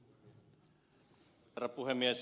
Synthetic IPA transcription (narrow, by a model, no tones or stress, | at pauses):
ɾapuɦemːiɛs